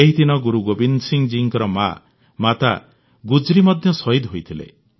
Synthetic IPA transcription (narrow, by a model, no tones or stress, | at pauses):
eɦid̪inɔɡuɾuɡobinsiŋd͡ʒiŋkɔɾɔma̰ | mat̪a̰ | ɡud͡ʒɾimɔd̪ʱjɔsɔjd̪ɦojt̪ʰilḛ